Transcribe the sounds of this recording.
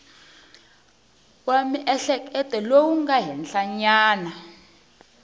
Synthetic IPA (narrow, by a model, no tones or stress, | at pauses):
wamiʔɛɬɛkʼɛtʼɛlowuŋɡaɦɛnɬaɲaːna